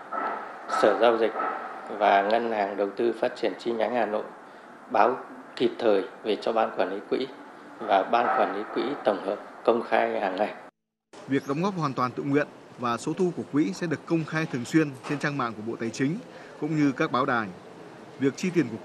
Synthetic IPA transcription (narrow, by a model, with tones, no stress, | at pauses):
səː˧˩zaː˧wzï˨˩k̟̚vaː˨˩ŋə˧nhaː˨˩ŋɗə˨˩wt̪ɨ˧faː˦˥t̚t͡ɕi˧˩ənt͡ɕi˧ɲa˨˦jŋhaː˨˩no̰˧˨j | ɓaː˨˦w | ki˨˩p̚t̪ʰəː˨˩jve˨˩t͡ɕɔ˧ɓaː˧nkwaː˧˩nli˨˦kwḭ˧˥ | vaː˨˩ɓaː˧nkwaː˧˩nli˨˦kwḭ˧˥t̪ə˨˩wŋ͡mhəː˨˩p̚kə˧wŋ͡mxaː˧jhaː˨˩ŋna˧˩j | vi˨˩ək̚ɗɔ˨˦ŋ͡mɣɔ˦˥p̚hwaː˨˩nt̪waː˨˩nt̪ɨ̰˧˨ŋwḭ˧˨ən | vaː˨˩so˨˦t̪ʰu˧ku˧˩əkwḭ˧˥sɛ̰˧˥ɗɨ˨˩əkːə˧wŋ͡mxaː˧jt̪ʰɨ˨˩əŋswi˧ənt͡ɕe˧nt͡ɕaː˧ŋma̰ː˧˨ŋku˧˩əɓo̰˧˨t̪aː˨˩jt͡ɕï˨˦ŋ̟ | kʊ̰˧˥ŋ͡mɲɨ˧kaː˦˥k̚ɓaː˨˦wɗaː˨˩ŋ | vi˨˩ək̚t͡ɕi˧t̪i˨˩ənku˧˩ə